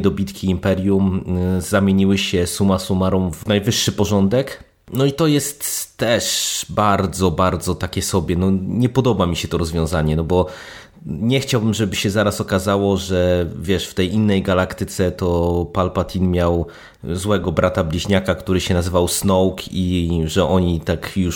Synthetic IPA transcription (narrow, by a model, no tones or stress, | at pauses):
d̪ɔbʲit̪kʲiːmpɛɾʲjumzamʲjeɲiwɘɕɛsumasumaɾɔ̃wvnajvɘʂːɘpɔʐɔnd̪ɛk | nɔit̪ɔjɛst̪ːɛʂbaɾd̪zɔbaɾd̪zɔt̪akʲɛsɔbʲjɛnɔɲɛpɔd̪ɔbamʲiɕɛt̪ɔɾɔzvʲjɔ̃zaɲɛnɔbɔ | ɲɛxt͡ɕawbɘmʐɛbɘɕɛzaɾasɔkazawɔʐɛvʲjɛʂft̪ɛjinːɛjɡalakt̪ɘt̪sɛt̪ɔpalpat̪ʲʰinmʲjaw | zwɛɡɔbɾʔat̪ablʲiʑɲakakt̪uɾɘɕɛnazɘvawsnɔwkʰiʐɛʔɔɲit̪akju